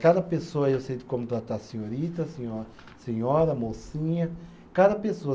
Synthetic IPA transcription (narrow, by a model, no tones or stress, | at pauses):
kad̪ɐpesoɐewsejd̪ɪkõmʊt̪ɾat̪aɾsẽɲoɾit̪ɐsẽɲɔɾ | sẽɲɔɾɐmosĩɲɐ | kad̪ɐpesoɐ